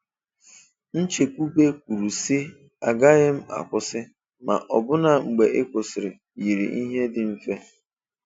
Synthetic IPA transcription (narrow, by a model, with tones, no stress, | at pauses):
n̩˦t͡ʃe˨kʷu˦be˦kʷu˨ɾu˨sɪ˦ | a˨ɡa˦ɣɪ˦m̩˦a̰˨kʷʊ˦sɪ˦ | ma̰˨ʔɔ˨bʊ˦na˨ŋ͡m̩˨ɡ͡be˨ʔɪ˦kʷʊ˨sɪ˨ɾɪ˨ | ji˨ɾḭ˨ʔi˦ɦe˦dɪ˨m̩˦fe˦